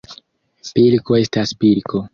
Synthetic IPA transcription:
pilko̞e̞staspilkʰo̞

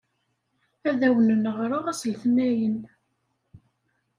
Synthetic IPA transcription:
æðæwnənəʁɾʊʁæslθnæjən

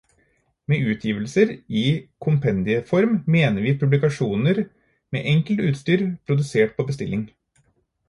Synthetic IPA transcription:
meːʔʉːt̪ʰjiːʋəlsəɾɪkʰʊmpʰɛnd̪ɪəfɔɾmːeːnəɾʋɪːpʰʉblɪkɑʂuːnəɾ | mḛːʔɛŋkəlt̪ʉːt̪st̪yːɾpʰɾʊd̪ʉseːʈ̚pʰobəst̪ɪlɪŋ

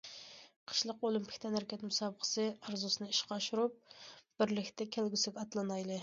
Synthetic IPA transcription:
qʰə̥ʃlˠəqolˠympʰɪ̥kʲt̪ʰɛnhæɾɛkʲɛt̪musɑːbəqʰə̥sɨɑɾzusɨnɨiʃqʰɑʃuɾup̚b̥ɪɾlɪkʲt̪ʰɛkʲʰælɡʲysɪɡʲɑt̪lˠɨnɑjlˠɨ

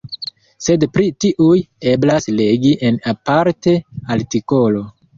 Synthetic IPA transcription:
se̞dpɾitiʔuje̞blasle̞ɡiʔe̞napaɾte̞altiko̞lo̞

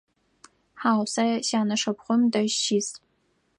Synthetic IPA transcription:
ħaːwsɐɕaːnɐʂɐpχʷʊmdɐʃt͡ʃʰiːs

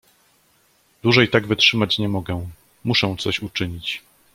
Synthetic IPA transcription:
d̪̥wuʐɛjt̪aɡvɘtʂɘmat͡ɕɲɛmɔɡɛ | muʂɛ̃t̪sɔɕut͡ʂɘɲit͡ɕ

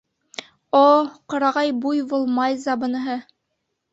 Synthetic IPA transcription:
oqŏɾɑʁɑjbujbulˠmɑjzɑbɤ̆nɤ̆ɦɤ

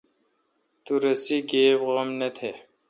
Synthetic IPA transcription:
t̪uɾɐsiɡeːbɣɐmnɐt̪ʰe

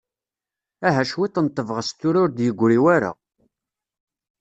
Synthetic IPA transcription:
æɦæʃwit̪ˤːənt̪ˤːəvʁəst̪ːʊɾʊɾd̪jəɡʷːɾiwæɾa̰

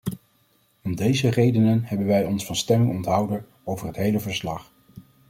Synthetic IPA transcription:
ɔmdejzərejdənənɦɛbənʋɛjɔnsfɑnstɛmɪŋɔntɦɑwdə | owvərɦətɦejləvəɹslɑχ

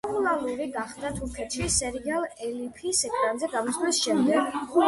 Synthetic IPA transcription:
ulˠaɾuɾiɡaχd̪at̪ʰuɾkʰɛt̪ʃisɛɾialˠɛlipʰisɛkʰɾanzɛɡamɔswɛsʃɛmd̪ɛɡ

